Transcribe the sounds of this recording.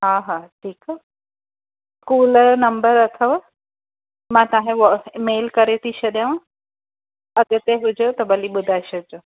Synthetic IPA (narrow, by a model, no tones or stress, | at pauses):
ɦãɦãʈʰiːka | kuːlnəmbəɾət̪ʰəʋa | mãt̪ãɦẽʋɔmelkəɾet̪iɕəd̪jaʋã | əɡət̪eɦud͡ʒot̪əbəlibud̪ʱaɕəd͡zo